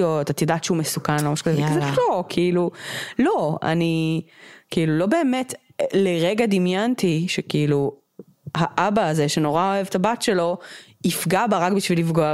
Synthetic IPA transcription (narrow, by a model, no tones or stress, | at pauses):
otat̪jodatʃeumesukanlomaʃkozevikazelokʰiilulo̞a̰ni | kiilulo̞be̞ːmet | leʁeɡad̪imjant̪iʃekiilu | haʔabaːze̞ʃe̞no̞ʁao̞evtabatʃe̞lo̞ | ifɡabaʁakbiʃvilifɡoa